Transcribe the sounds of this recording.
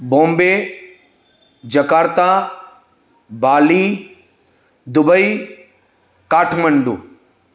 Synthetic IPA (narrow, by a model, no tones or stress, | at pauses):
bõːmbe | d͡ʒɐkaːɾt̪a | baːli | d̪ʊbəi | kaːʈʰmɐɳɖṵː